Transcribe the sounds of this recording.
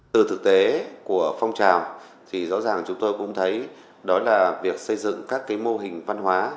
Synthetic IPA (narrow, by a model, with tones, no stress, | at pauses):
t̪ɨ˨˩t̪ʰɨ˨˩k̚t̪e˨˦ku˧˩əfa˧wŋ͡mt͡ɕaː˨˩w | t̪ʰi˨˩zɔ̰˧˥zaː˨˩ŋt͡ɕʊ˨˦ŋ͡mt̪o˧jkʊ̰˧˥ŋ͡mt̪ʰə˨˦j | ɗɔ˨˦laː˨˩vi˨˩ək̚sə˧jzɨ̰˧˨ŋkaː˦˥kːaː˨˦jmo˧ɦï˨˩ŋ̟va˧nɦwaː˨˦